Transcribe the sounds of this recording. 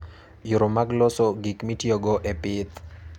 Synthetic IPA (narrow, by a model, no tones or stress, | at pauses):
juɾomaɡlɔsɔɡikmitjoɡɔʔepɪt̪